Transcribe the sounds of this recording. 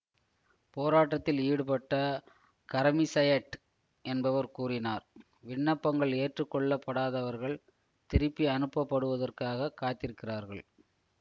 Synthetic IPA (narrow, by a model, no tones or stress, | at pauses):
poːɾaːʈːɐt̪ːɪliːɽɯpɐʈːɐ | kɐɾɐmɪsɐjɐʈ | ɛnbɐʋɐɾkuːrɪnaːɾ | ʋɪɳːɐpːɐŋɡɐɭeːʈrɯkːɔɭːɐpːɐɽaːðɐʋɐɾɣɐɭ | t̪ɪɾɯpːiɐnɯpːɐpːɐɽɯʋɐðɐrkaːɣɐkaːt̪ːɪɾɯkːɪraːɾɣɐɭ